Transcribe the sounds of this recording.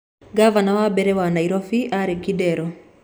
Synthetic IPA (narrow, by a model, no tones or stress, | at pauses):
ɡavanawabɛɾɛwanaiɾɔfiʔaɾiɡidɛɾɔ